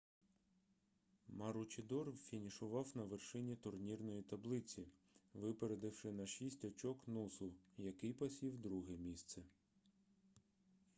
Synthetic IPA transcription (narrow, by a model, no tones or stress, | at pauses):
mɐɾʊt͡ʃʲɪd̪ɔrwfʲinʲiʃʊʋɑwnɐʋerʃɪnʲit̪ʊrnʲirnɔjit̪ɐblˠɪt͡sʲi | ʋɪpeɾed̪ɪwʃɪnɐʃisʲtʲɔt͡ʃɔknusʊjɐkɪjpɐsʲiwd̪ɾuɦɛmʲist̪sɛ